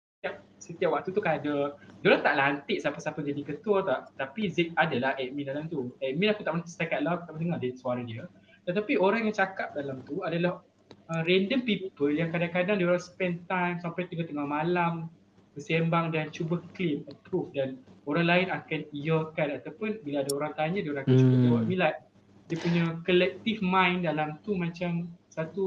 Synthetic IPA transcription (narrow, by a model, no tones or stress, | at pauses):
ssət̪iap̚ | sət̪ijap̚wak̚t̪ut̪ukadadolat̪aʔlant̪ɪʔsapasapəd͡ʒadikət̪uɔt̪aʔt̪apizɛk̚adalahɛʔ̚mɛ̃ndalamt̪uɛʔ̚mɛ̃nakut̪aʔmənt̪st̪akat̪̚lakt̪aʔmənəŋadisuaɾadiə | t̪ət̪apioɾaŋjaŋt͡ʃakap̚dalamt̪uadalah | əɾɛndəmpipəljaŋkadaŋkadaŋdiəoɾaŋsə̥pɛnt̪ajmsampajt̪uɡat̪əŋahmalam | bəsembaŋdant͡ʃubəkliməpɾufdanoɾaŋlainakanijəkanat̪awpʊnbilaadaoɾaŋt̪aɲãdiəoɾaŋakant͡ʃukuwamĩnlajʔ | diəpuɲãkəlɛk̚t̪ifmãjndalamt̪umãt͡ʃamsat̪u